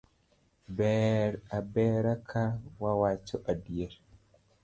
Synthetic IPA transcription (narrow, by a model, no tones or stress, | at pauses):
bɛɾabɛɾakʰawawat͡ʃɔʔadijɛɾ